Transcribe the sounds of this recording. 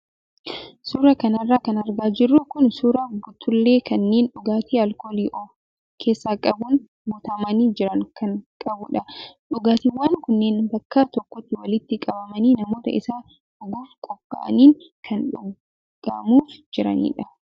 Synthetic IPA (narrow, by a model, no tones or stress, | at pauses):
suːɾɐkɐnɐrːaːkɐnɐɾɡaːd͡ʒɪrːʊkʊnsuːɾaɡʊt̪ːʊlːe̞ːkɐnːe̞ːnᶑʊɡaːt̪iːɐlkoːliːʔɔ | kʰe̞ːsːaːkʼɐbʊn | mʊt̪ɐmɐniːd͡ʒɪɾɐŋkʰɐŋkʼɐbʊᶑɐᶑʊɡaːt̪iːwaːŋkʊnːe̞ːnbɐkːaːt̪ɔkːɔt̪ːɪwɐlɪt̪ːɪkʼɐbɐmɐniːnɐmo̞ːt̪ɐ̰ɪ̰saː | ɐɡuːfkʼɔkːa̰ːʔɐ̰niːŋ | kʰɐnᶑʊ | ɡɐ̰muːfd͡ʒɪɾɐ̰nḭːᶑɐ